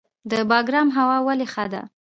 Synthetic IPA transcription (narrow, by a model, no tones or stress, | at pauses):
d̪əbɑɡɾɑmɦawɑwalexad̪a̰